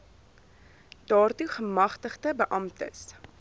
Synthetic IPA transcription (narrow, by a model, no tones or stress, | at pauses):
d̥ɑːrtuχəmɐχtəχdəbəʔɐmtə̰s